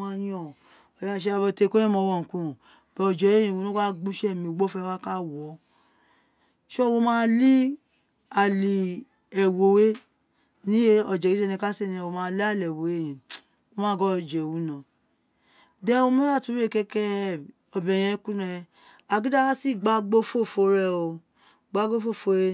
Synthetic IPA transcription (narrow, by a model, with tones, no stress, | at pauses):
ã˦jĩ˧ɔ˨ | ɔ˨jã˦˨ʃ̬ɛ˦a˧bɔ˧˦te˧˦ko˦ɛ̃˦mɔ̃˨˧˦wɔ˨n̩˨kũ˦˨ | b̥ɛ˨ɔ˨d͡ʒɛ˨e˦jĩ˨wo˨˦no˦ka˦ɡ͡bu˦ʃɛ˦˨mĩ˧˨ɡ͡bɔ˦fɛ˧˦˧wa˦ka˦wɔ˨˦ | ʃo˦˨wo˧˦mãː˦li˦ | a˨li˨ | ɛ˨wo˨we˦ | nĩ˦je˦ɔ˨d͡ʒɛ˨ɡi˦ɛ˦nĩ˧ka˦se˦˨nĩ˨˧wo˧mãː˦˧˦li˦a˦˨lɛ˨wo˨˦e˦˨jĩ˨ | o˦mãː˦ɡɔ˦ɔ˧˨d͡ʒɛ˨wũ˨˦nã˨ | dɛ˦wo˦˧mĩ˦a˦˨tu˨˦e˦˨kɛ˧kɛ˦˨ | ɔ˨bɛ̃˨j̃ɛ̃˦kũ˦nɛ˧ | a˧˨ɡi˦da˦a˦si˦˨ɡ͡ba˨˦ɡ͡bo˦fo˦˨fo˧˦ɾɛ˦˧˨o˧ | ɡ͡ba˦ɡo˦fo˦˨fo˧ɾe˦